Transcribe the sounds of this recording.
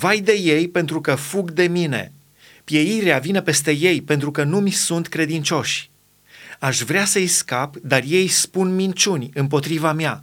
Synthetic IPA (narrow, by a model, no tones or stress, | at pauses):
vajd̪e̞je̞jpe̞nt̪ɾukəfuɡd̪e̞mine̞̰ | pje̞iɾeavinepe̞st̪e̞je̞jpe̞nt̪ɾukənumisunt̪kɾe̞d̪int͡ʃo̞ʃʲ | aʃvɾeasəjskapd̪arje̞jspunmint͡ʃunʲɨmpo̞t̪ɾivamja